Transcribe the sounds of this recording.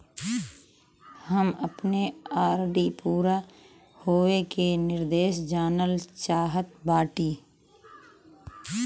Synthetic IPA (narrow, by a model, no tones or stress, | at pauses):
həməpneaːɾɖipuːɾa | hoːʋekenɪɾd̪eːʃd͡ʒaːnəlt͡ʃaːɦət̪̚baːʈiː